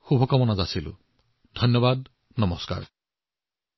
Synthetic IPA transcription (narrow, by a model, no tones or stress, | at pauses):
xubʱɔkɔmɔnazasilṵ | d̪ʱɔnjɔbad̪ | nɔmɔska̰ɹ